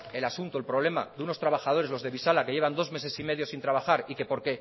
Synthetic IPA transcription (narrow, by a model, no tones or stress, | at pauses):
e̞lasunt̪oe̞lpɾo̞β̞le̞ma̰ðeuno̞st̪ɾaβaxað̞oɾe̞zlo̞zðe̞βisalake̞ʝe̞βand̪o̞zme̞s̬e̞sime̞ðjo̞sint̪ɾaβaxaɾike̞po̞ɾke̞